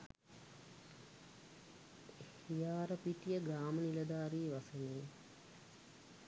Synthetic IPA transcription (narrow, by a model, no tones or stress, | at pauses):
hijaːɾəpiʈijəɡɾaːməniləd̪aːɾiːʋaseneː